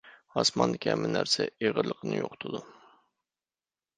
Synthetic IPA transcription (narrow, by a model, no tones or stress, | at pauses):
hɑsmɑnd̪ɪkʲiɛmːɪnæɾsɛeʁəɾlˠəqʰənɨjo̰qʰt̪ʰud̪u